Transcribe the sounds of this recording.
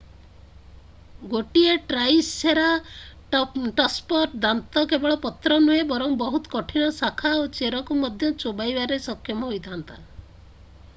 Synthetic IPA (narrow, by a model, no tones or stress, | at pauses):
ɡoʈieʈɾajseɾa | ʈɔspɔʈd̪ant̪ɔkebɔɭɔpɔt̪ɾɔnuebɔɾɔmbɔɦut̪ɔ̥kɔʈʰinɔsakʰaot͡ʃeɾɔkumɔd̪ʱjɔt͡ʃobajbaɾesɔkʰjɔmɔɦojt̪ʰant̪a